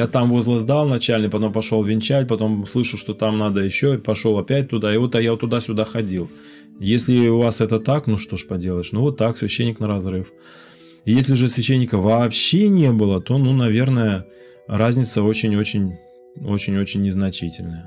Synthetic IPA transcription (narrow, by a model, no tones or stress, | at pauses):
jat̪amvo̞zlˠəzd̪alˠnɐt͡ɕælʲnɨpɐt̪o̞mpɐʂolˠvʲɪnʲt͡ɕætʲpɐt̪o̞mslˠɨʂəlˠʂt̪o̞t̪amnad̪əjɪɕːopɐʂo̞lˠɐpʲæt̚ʲt̪ʊd̪aɪvot̪ɐjat̪ːʊd̪asʲʊd̪axɐdʲilˠ | jesʲlʲɪʊvasɛt̪ət̪aknuʂt̪o̞ʂpɐdʲelˠəɪʂnuvo̞t̪ːaksvʲɪɕːenʲːɪknəɾɐzɾɨf | jesʲlʲɪʐɨsvʲɪɕːenʲːɪkəvɐːpɕe̞nʲebɨlˠət̪o̞nunɐvʲe̞rnəjə | razʲnʲɪt̪səo̞t͡ɕɪnʲot͡ɕɪnʲ | o̞t͡ɕɪnʲo̞t͡ɕɪnʲːɪznɐt͡ɕitʲɪlʲnəjə